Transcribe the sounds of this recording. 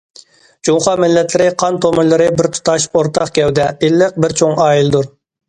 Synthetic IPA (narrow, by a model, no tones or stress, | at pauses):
d͡ʒumχɑmɪlːɛt̪ʰlɪɾɪqʰɑnt̪ʰomɨlˠɨɾɨbɪɾt̪ʰu̥t̪ɑʃoɾt̪ʰɑqkʲɛwd̪ɛelːɪq̚bɪɾt͡ʃʰoŋɑːjild̪uɾ